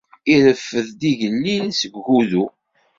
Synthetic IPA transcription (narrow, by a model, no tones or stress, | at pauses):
iɾəfːəðd̪iʝənːinsəɡːuðu